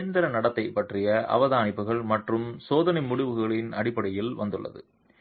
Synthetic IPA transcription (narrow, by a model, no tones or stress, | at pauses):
ɾɪnd̪ɐɾɐnɐɽɐt̪ːɐɪpːɐʈrɪjɐʔɐ̰ʋɐðaːnɪpːɯɣɐɭmɐʈrɯmsoːðɐnɐɪmʊɽʊʋɯɣɐɭɪnɐɽɪpːɐɽɐjɪlʋɐ̰nd̪ɯɭːɐ̰ðɯ̰